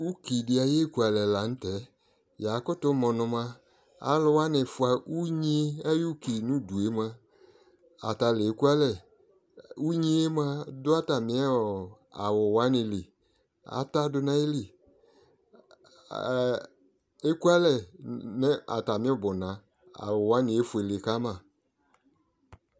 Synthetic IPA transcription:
u˦ki˨dɪ˨˦a˨je˦ku˨˦a˨lɛ˨la˨n̩˦tɛ˨˦ | ja˨kʊ˦tʊ˦mɔ̃˨nʊ̃˧mã˧ | a̰˦lʊ˦wa˦nɪ˨fʊ˨˦a˨u˦ɲi˦a˦ju˦ki˨nũ˦˨du˨e˦ma˧ | a̰˨ta˨lɪ˨e˨ku˦a˦lɛ˦˨ | u˦ɲi˦e˦mã˦dʊ˦a˦ta˨mɪ̃˨˦ɛ˦ɔ˨ | a̰˨wʊ˨wa˦nɪ̃˨li˨ | a̰˨ta˦dʊ˨nã˨˦e˦li˨ | e˦ku˦a˦lɛ˨nɛ˦a̰˨ta˨mĩ˦ɔ˦˨bʊ˨nã˨ | a̰˨wʊ˨wa˦nɪ̃˨e˦fu˨e˨lɪ˨ka˦mã˨

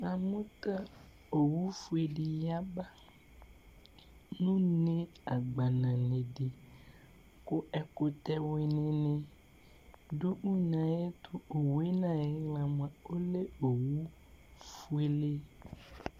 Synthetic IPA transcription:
ã˨mũ˦t̪a˦ | o˨wu˦fu˦e˨ɖe˨ja˦ba˦ | nũ˦nẽ˦a˨ɡ͡ba˨nã˨nẽ˨ɖe˨ | ko˦ʔɛ˨ko˨t̪ɛ˦we˨nẽ˨nẽ˨ | ɖo˦ʔu˦nã˨je˦t̪ʰo˦o˨we˦nã˦˨je˦ŋla˨mã˨o˦le˦o˨wu˦ | fu˦e˨le˦

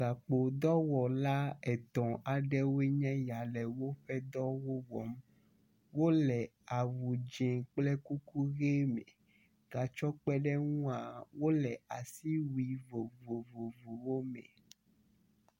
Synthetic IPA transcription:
ɡa˨k͡po˨d̪ɔ˦wɔ˨la˦ɛ˨t̪ɔ̃˨ʔa˨ɖɛ˦wo˦e˦ɲɛ̃˦ja˨lɛ˨wo˦ɸɛ˦d̪ɔ˦wo˦wɔ˨m | wo˦lɛ˨ | a˨wu˨d͡ʒẽ˨k͡plɛ˦ku˦ku˦ɣe˦mɛ̰̃˨ | ɡ̥a˨t͡ʃɔ˦k͡pɛ˦ɖɛ˦ŋũ˦a˨wo˦lɛ˨a˨si˦wu˨i˨vo˨vo˨vo˨vo˨wo˦mɛ̰̃˨

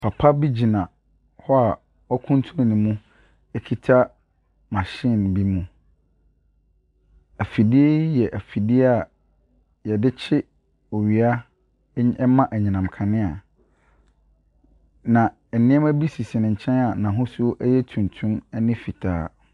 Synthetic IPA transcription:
pʰa˨pʰa˦bi˦d͡ʑi˨nã˨ | hɔ˦a˨ | ɔ˦kʰũ˦n˦tʰũ˦n˨nɪ̃˨mũ˦ | ɛ˦kʰi˦tʰa˦ | mã˨ɕĩ˦˨n˨bi˦mũ˨ | æ˨fi˨dɪ˦e˦jɛ˨ʔæ˨fi˨dɪ˦e˦a˨ | jɛ˨dɪ˦t͡ɕʰɪ˦ | ɔ˨ɥi˨a˦ | ɛ˦mã˦ʔæ˨ɲĩ˨nã˨m˨kʰã˨nɪ̃˦a˨ | nã˨ | ɛ˨nɪ̃˦ɛ˦mæ˦bi˦si˨sɪ˨nɪ̃˨ɲ̩˨t͡ɕʰɛ̃˦na˨nã˨ɦʊ̃˦su˦o˦ʔɛ˦jɛ˦tʰũ˨n˨tʰʊ̃˦nɛ˦nɪ̃˦fi˨tʰa̰ː˦

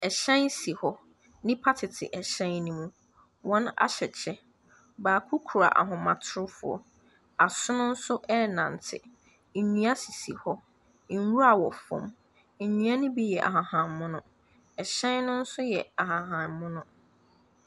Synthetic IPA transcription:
ɛ˨ɕɛ̃˦nsi˨hɔ˦ | nɪ̃˦pʰa˦tʰɪ˨tʰɪ̰˨ʔɛ˨ɕɛ̃˦nnĩ˦mũ˦ | wɔ̃˦na̰˦ɕɛ˨t͡ɕʰɛ˦ | baː˨kʰʊ˦kʰu˨ɾa̰˨ʔa̰˨ɦʊ̃˨mã˨tʰʊ˦ʊ˦fʊ̰˨ɔ̰˨ | a˨sʊ˦nʊ̃˦n̩˦sʊ˦ʔɛ˦nã̰˨n˨tʰɪ̰˨ | n̩˨ɲũ˦a˦si˨si˨hɔ˦ | n˨˦wu˦ɾa˨wɔ˨fɔ̰̃˨m | ɲ̩˨ɲũ˨˦a˦nʊ̃˦bi˦jɛ˨ʔa̰˨ɦã˨hã˨nmʊ̃˦nʊ̃˦˨ | ɛ˨ɕɛ̃˦nnʊ̃˦n̩˦sʊ˦jɛ˨a˨ɦã˨ɦã˨nmʊ̃˦nʊ̃˦

